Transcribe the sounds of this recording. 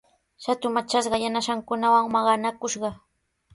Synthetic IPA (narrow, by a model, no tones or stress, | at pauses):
ʃat̪ʊmat͡ʃasɢɑjanaʃaŋkʊnawaŋmɑɢɑnakʊʃɢɑ